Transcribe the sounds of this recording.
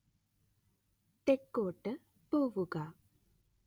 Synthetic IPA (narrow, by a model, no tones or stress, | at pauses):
t̪ekːoːʈːə | poːʋuɡaː